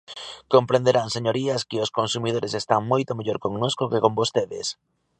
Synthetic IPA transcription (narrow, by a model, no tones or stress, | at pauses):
kompɾẽnd̪eɾaŋseɲoɾiaskɪoskonsumið̞oɾesest̪aŋmojt̪omeʎoɾkoŋnoskokekombost̪eðḛs